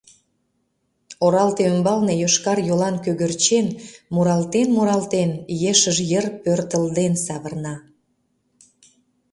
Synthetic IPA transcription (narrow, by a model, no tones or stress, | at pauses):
oɾɑlt̪eømbɑlnejoʃkɑrjolɑnkøɣørt͡ɕenmuɾɑlt̪enmuɾɑlt̪enjeʃəʒjərpørt̪əld̪ensɑβərnɑ